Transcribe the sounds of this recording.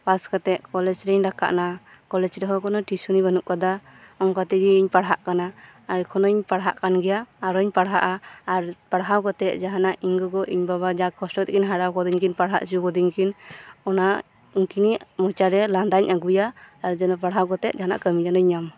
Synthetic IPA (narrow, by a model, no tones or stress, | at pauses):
paskat̪ɛt̪̚kɔlɛd͡ʒɾɛɲɾaka̰ʔna | kɔlɛd͡ʒɾɛɦɔkʰɔnɔʈisunibənuʔkad̪a | ɔŋkat̪iɡiiɲpaɽɦaʔkanaːɾkʰɔnɔɲpaɽɦaʔkanɡɛjaːɾɔɲpaɽɦaʔaːɾpaɽɦawkɔt̪ɛʔ̪̚ˀd͡ʒaɦanaʔiɲɡɔɡɔʔiɲbabad͡ʒakʰɔsʈɔt̪kinɦaɽawkɔd̪iɲkinpaɽɦa̰ʔsiukɔd̪iɲkinɔnaʔ | uŋkiniʔmɔt͡ʃaɾɛland̪aɲaɡujaaɾd͡ʒɔnɔp̬aɽɦawkɔt̪ɛt̪̚d͡ʒaɦana̰ʔkəmiɲanɔɲam